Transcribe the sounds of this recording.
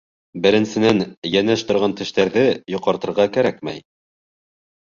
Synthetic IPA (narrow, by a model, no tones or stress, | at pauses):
bɘ̆ɾɘ̆nsɘ̆nænjænæʃt̪ŏɾʁɑnt̪ɘ̆ʃt̪æɾðɘjŏqɑɾt̪ɤ̆ɾʁɑkæɾæk̚mæ̰j